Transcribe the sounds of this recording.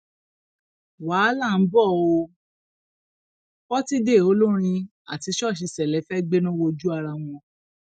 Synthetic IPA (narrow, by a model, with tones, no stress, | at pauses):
waː˨˦la˦˨n̩˦bɔ˦˨o˧ | kɔ˦ti˦de˦˨o˨˦lo˦ɾ̃ĩ˧ | a̰˨ti˧˦ʃɔ˦˨ʃ̬i˧sɛ˨lɛ˨˦fɛ˦ɡ͡be˦nã˦wo˧d͡ʒu˦a˧ɾa˧w̃ɔ̃˧